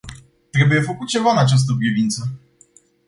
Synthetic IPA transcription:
t̪ɾe̞buje̞fəkut̪̚t͡ʃe̞vaɨnat͡ʃas̬t̪əpɾivint̪sə

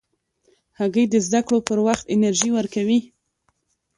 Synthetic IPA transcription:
haɣəjd̪əzd̪akɽopəɾwaxt̪ɪnaɾʒiwəɾkawi

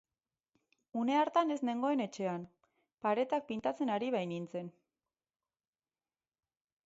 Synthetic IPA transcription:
une̞aɾt̪ane̞zne̞ŋɡo̞e̞ne̞t͡ʃe̞an | paɾe̞t̪ak̚pint̪at͡se̞naɾiβ̞ajnint͡se̞n

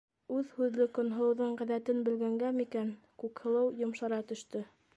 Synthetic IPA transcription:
ʉðhʉðlɘkŏnɦɤ̆lˠɤ̆wðɤɴʁæðæt̪ɘnbɘ̆lɡæŋɡæmikæn | kʉkhɤ̆lˠɤwjŏmʃɑɾɑt̪ɵ̆ʃt̪ɵ

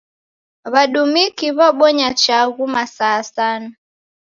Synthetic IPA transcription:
βaɗumikiβaɓɔɲat͡ʃaɣumasaːsana

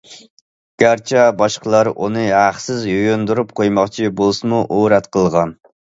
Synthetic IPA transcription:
ɡ̥ʲæɾt͡ʃʰɛbɑʃqʰəlˠɑɾʔunɨɦæχsɪzjøjønd̪uɾup̚qʰojmɑχt͡ʃʰibolˠsɨmuʔoɾɛt̪qʰəlˠʁɑn

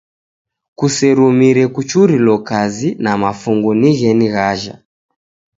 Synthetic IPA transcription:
kusɛɾumiɾɛkut͡ʃuɾilɔkazinamafuŋɡɔniɣɛniɣaʒa̰

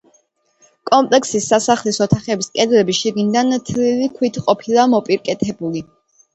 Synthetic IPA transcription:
kʼɔmpʼlɛksisːasaχlisɔt̪ʰaχɛbiskʼɛd̪ɾɛbiʃiɡind̪ant̪ʰlilikʰwit̪ʰqʼɔpʰilˠamɔpʼiɾkʼɛt̪ʰɛbuli

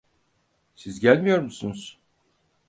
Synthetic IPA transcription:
sizɟælʲmijo̞ɾmusunuz̥

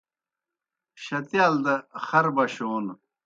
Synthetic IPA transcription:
ɕɐt̪jaːld̪ɐxɐɾbɐɕoːn

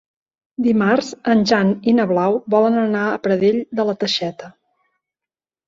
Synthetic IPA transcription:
d̪imarzənʲʒaninəβlawbɔlənənaəpɾəðeʎd̪ələt̪əʃɛt̪ə

